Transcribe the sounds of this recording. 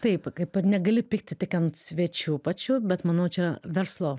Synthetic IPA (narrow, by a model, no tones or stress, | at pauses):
t̪ɐɪpkɐɪpɐnʲɛɡɐlʲɪpʲɪkt̪ʲɪt̪ʲɪkɐnt̪sʲʋʲɛt͡ʃʲuːpɐt͡ʃʲuːbʲɛt̪mɐnɐʊt͡ʃʲɛɐʋʲɛɾslˠoː